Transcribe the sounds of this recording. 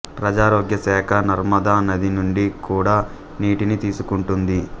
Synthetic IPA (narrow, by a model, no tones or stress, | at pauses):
pɾɐd͡ʒaːɾoːɡjɐsɛːkʰɐnɐɾmɐd̪ɐːnːɐd̪inuɳɖikuːɽaː | niːʈinit̪iːsukuɳʈund̪i